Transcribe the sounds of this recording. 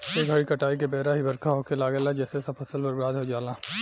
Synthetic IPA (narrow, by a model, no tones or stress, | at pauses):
eːɡʱɐɽikɐʈaːik̬ebeːɾaɦibɐɾkʰaɦokelaːɡelad͡ʒɛːsesɐpʰɐsəlbɐɾbɾaːd̪ɦod͡ʒaːlaː